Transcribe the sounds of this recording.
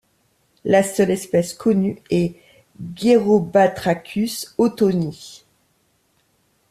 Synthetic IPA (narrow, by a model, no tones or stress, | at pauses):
lasœlɛspɛskʰɔnyɛ | ɡeʁobat̪χakʲʰysot̪oni